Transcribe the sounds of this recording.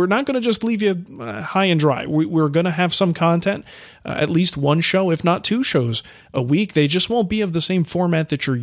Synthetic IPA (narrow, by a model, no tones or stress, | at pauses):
wɪɹnət̚ɡ̥ʌñɨd͡ʒʌstˡlivjɨhaɪɨ̃ndɹa̰ɪwɪwɪɹɡʌñɨːv̥sʌ̃mkʰɑ̃ntʰɛ̃nt̚ | ɨ̰tˡlist̚wʌ̃nʃoʊɨfnətʰʉʃoʊz | ʔəwik̚ðeɪd͡ʒʌst̚wõʊ̃n̚b̥iʌvðɨsẽɪ̃ɱfɔɹmæt̪̚ðɨt͡ʃə˞